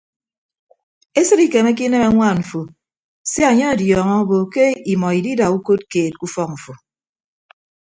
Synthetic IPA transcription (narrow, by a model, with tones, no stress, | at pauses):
e˦sɨ˦ɾi˦ke˨me˦k̬i˦ne˦me˦ŋʷa˦˨ɱ̩˨fo˨ | se˦a˨ɲe˦a˨djɔː˨ŋɔ˦o˦bo˨ke˦i˨mɔ˨i˨di˦da˨u˦ko˦t̚keː˨t̚ku˦fɔ˦k̚ɱ̩˨fo˨